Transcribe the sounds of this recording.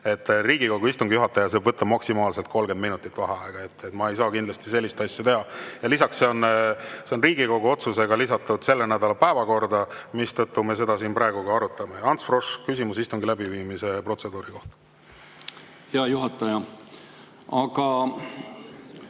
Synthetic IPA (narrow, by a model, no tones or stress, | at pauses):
e̞t̪ːriːɡikoɡuist̪uŋɡijuɦɑt̪ːˑɑjɑse̞bvɤt̪ˑːɑ̥mɑksimɑːlse̞lt̪̚ko̞lɡ̥end̪minut̪ːˑit̪ːˑvɑɦɑɑeɡ̥ɑe̞t̪ːe̞t̪ːˑmɑe̞jsɑːkind̪lɑst̪i̥se̞lʲːist̪ɑsʲːjɑt̪eɦɑjɑlisɑksse̞o̞nse̞o̞nriːɡ̥iko̞ɡuo̞t̪suse̞ɡɑlisɑt̪ːˑud̪̥se̞lːe̞næd̪ɑlɑpæevɑko̞rd̪ɑmist̪ɤt̪ːume̞s̬e̞d̪ɑsiːnpɾɑˑeɡuɡ̥ɑɑɾut̪ːˑɑme̞jɑnt̪sfro̞ʂkysimusist̪uŋɡilæbiviːmise̞pro̞t̪se̞d̪uːɾiko̞ht̪ɑ̥ | jɑjuɦɑt̪ːˑɑjɑ | ɑɡɑ